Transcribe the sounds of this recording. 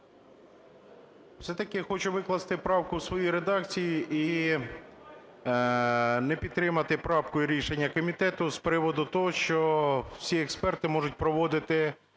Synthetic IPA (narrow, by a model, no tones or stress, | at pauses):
w̥sɛt̪ɐkɪxɔt͡ʃʊʋɪklˠɐst̪ɪpɾɑwkʊwsʋɔjijɾed̪ɑk̚t͡sʲijiʔi | nɛpʲid̪t̪ːɾɪmɐt̪ɪpɾɑpkɔjʊɾʲiʃenʲːɐkɔmʲit̪ɛt̪ʊspɾɪʋɔd̪ʊt̪ɔɦɔʃt͡ʃɔwsʲiɛkspɛrt̪ɪmɔʒʊt̚ʲpɾɔʋɔd̪ɪt̪ɪ